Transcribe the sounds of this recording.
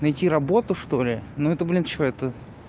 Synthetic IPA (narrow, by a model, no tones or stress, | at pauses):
nɐjtʲiɾɐbo̞t̪ʊʂt̪o̞lʲɪnuɛt̪əblʲint͡ɕoɛt̪ə